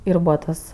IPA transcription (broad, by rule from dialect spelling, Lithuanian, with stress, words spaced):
ɪr ˈbuːʋɐ tɐs